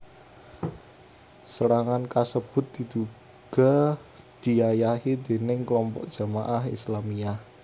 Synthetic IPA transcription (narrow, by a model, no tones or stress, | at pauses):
səɾaŋankasəb̥ʊ̤t̪̚d̪̥i̤d̪̥u | ɡ̥ɔ̤d̪̥i̤ajaɦid̪̥e̤nɪŋkəlɔmpɔ̰k̚d̥ʒ̥a̤maʔaɦḭslamiah